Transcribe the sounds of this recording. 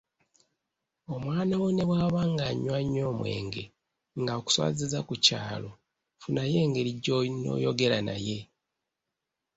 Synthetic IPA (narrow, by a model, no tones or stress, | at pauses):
o̞mwaːnawone̞βwaːβaŋɡaɲːwaɲːo̞ːmwe̞̰ːŋɡe̞ | ŋɡaoku̥swa̰ːzizakuca̰ːlo̞ | funaje̞ːŋɡe̞ɾiɟːono̞̰ːjo̞ɡe̞ɾana̰je̞